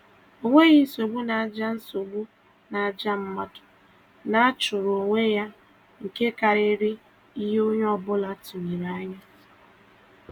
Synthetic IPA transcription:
o˦ŋʷe˦ɣi˦so˨ɡ͡bu˦na˨a˨d͡ʒa˦n̩˦so˨ɡ͡bu˦ | na˨a˨d͡ʒa˦m̩˦ma˦dʊ̥˨ | na˦a˦t͡ʃʊ˨ɾo˨ŋʷe˦ja˦ | ŋ̩˨ke˦ka˨ɾe˦ɾɪ˦ | i˦ɦo˦ɲ˦ɔ˦bʊ˦la˦tu˨ɲi˨ɾa˨a˦ɲa˦

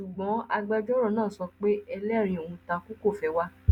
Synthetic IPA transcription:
ʃu˨ɡ͡bɔ̃˨˦a˧ɡ͡ba˧d͡ʒɔ˦ɾɔ˦˨nãː˦˨sɔ˧k͡pe˦ɛ˧lɛ˦˨ɾ̃ĩ˧o˨ũ˧tã˧ku˦ko˦˨fɛ˧wa˧

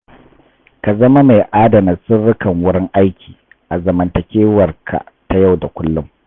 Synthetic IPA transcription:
ka˨zɐ˦ma˦ma˨jʔaː˦dɐ˨na˨sɪ˦rːʊ˦kɐ˨ŋwʊ˦ɽɪ˦ŋʔa˦jkʲʰiː˨ | ʔa˨zɐ˨mɐ˨ntɐ˨kʲeː˦wɐ˨rkʰa̰˨ta˨ja˦˨wda˨kʷʊ˦lːʊ˦m

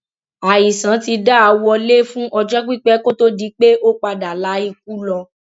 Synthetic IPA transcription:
a˨ji˨sã˨˦ti˧da˦a˧wɔ˧le˦fũ˦ʔɔ˧d͡ʒɔ˦k͡pi˦˨k͡pɛ˦ko˦to˦di˨˦k͡pe˦ʔo˦k͡pa˧da˨la˨˦i˦˧k̚u˦lɔ˧

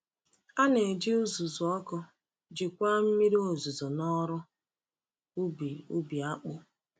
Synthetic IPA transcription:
a˦ne˨d͡ʒɪ˦u˦zu˨zʊ˨ɔ˦kɔ˦ | d͡ʒɪ˨kʷa˦m̩˦mi˦ɾi˦o˨zu˨zo˨nɔ˦ɾʊ˦ | bi˨u˦bi˨a˦k͡pʊ˦

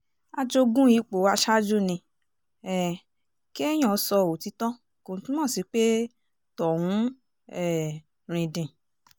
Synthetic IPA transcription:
a˧d͡ʒo˧ɡũ˦ji˨˦k͡po˨wa˧˦ʃa˦d͡ʒu˦nĩ˧ | ɛ˨ | ki˦ɛ˦j̃ɔ̃˨˧˦sɔ˧o˨ti˨˦tɔ˦˨ko˨˧tĩ˦mɔ̃ː˦˨si˨˦k͡pe˦ | tɔ˨hũ˨˦ | ɛ˦˨ | ɾ̃ĩ˨dĩ˨

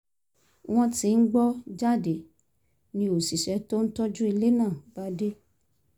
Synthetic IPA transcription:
w̃ɔ̃˦ti˧˦n̩˦ɡ͡bɔ˦d͡ʒa˦˨de˨ | nĩ˧o˨si˨ʃɛ˨˦to˦n̩˦tɔ˦d͡ʒũ˦i˧le˦nãː˦˨ba˨˦de˦

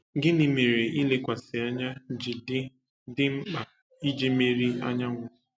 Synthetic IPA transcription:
ɡɪ˦nɪ˨me˨ɾe˨i˦le˦kʷa˨sɪ˨a˦ɲa˦d͡ʒɪ˨dɪ˦ | dɪ˦m̩˦k͡pa˨ | i˦d͡ʒe˦me˦ɾi˦a˦ɲa˦ŋʷʊ˨

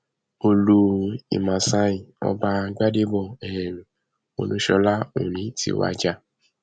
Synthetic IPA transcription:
o˧lu˦ḭ˨mã˨sa˧˦ĩ˨ɔ̰˧ba˧˦ɡ͡ba˦de˦bɔ˨ɛ˨ɛ˨nũ˨ | o̰˧˨lũ˨˦ʃɔ˧˦la˦õ̰˨nĩ˨˦tḭ˧˦wa̰˧d͡ʒa˧˦

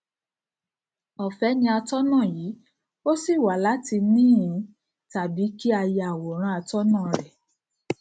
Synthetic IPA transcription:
ɔ˨fɛ˨˦nĩ˧a˧tɔ˦nã˦˨jiː˨˦ | o˦si˦˨wa˨˦la˨˦ti˧nĩː˦˨ɾĩ˨˧ | ta˨bi˨˦ki˦a˧jɛ˧a˨wɔ˨ɾ̃ã˧a˧tɔ˦nã˦˨ɾɛ˨

